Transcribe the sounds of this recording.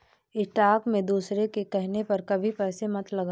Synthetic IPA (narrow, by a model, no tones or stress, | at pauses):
ɪʈaːkmẽd̪uːsɾekekɛɦnepɐɾkɐbʱipɛːsemɐt̪lɐɡa